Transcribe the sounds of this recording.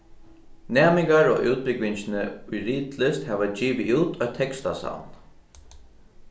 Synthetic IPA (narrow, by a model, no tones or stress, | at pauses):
næːmɪŋkaɹo̰ːʔuːt̪̚pɪkʋɪɲt͡ʃɪnəʊjɾiːt̪lɪst̪hɛʋad͡ʑiːʋɪʔuːt̪ʰɔʏt̪ʰːɛkst̪asa̰wn